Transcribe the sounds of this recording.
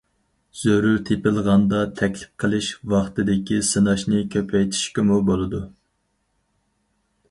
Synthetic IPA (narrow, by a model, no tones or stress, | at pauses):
z̥øɾuɾt̪ʰepɪlˠʁɑnd̪ɑt̪ʰɛkʲlɪ̥p̚qʰəlˠɨʃwɑχt̪ɨd̪ɪkʲisɨnɑʃnɨkʲʰøpʰɛjt̪ʰi̥ʃkʲɪmubolˠɨd̪u